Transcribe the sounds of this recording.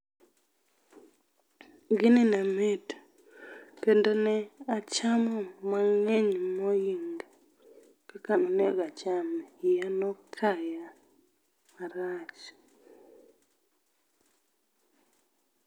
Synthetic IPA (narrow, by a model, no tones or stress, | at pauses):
ɡɪnɪnamet | kendonɛat͡ʃamɔmaŋɛɲmɔjiŋɡ | kakanɔnɛɡat͡ʃamjanɔkʰaja | maɾat͡ʃ